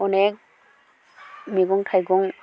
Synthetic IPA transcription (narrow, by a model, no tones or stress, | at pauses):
ɔnɛk̚ | miɡɔŋtʰajɡɔŋ